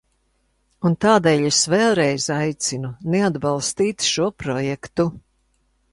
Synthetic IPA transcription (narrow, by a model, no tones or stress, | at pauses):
unt̪aːd̪ɛːʎʲesvɛlˠɾɛjzajt̪sinunead̪bɑlˠst̪iːt̪ʃuɔpɾɔjɛkt̪u